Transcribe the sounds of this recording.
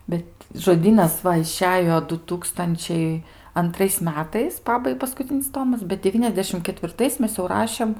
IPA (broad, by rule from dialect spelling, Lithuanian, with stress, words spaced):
ˈbʲɛt ʒoːˈdʲiːnɐs ˈʋɐ ɪˈʃʲæːjoː dʊ ˈtuːkstɐnʲt͡ʃʲɛɪ ɐnˈtrɐɪs ˈmʲæːtɐɪs ˈpɑːbɐɪ pɐskʊˈt͡sʲɪnʲɪs ˈtoːmɐs bʲɛt dʲɛˈʋʲiːnʲɛzʲdʲɛʃʲɪm kʲɛtʲʋʲɪrˈtɐɪs ˈmʲɛs jɛʊ ˈrɑːʃʲeːm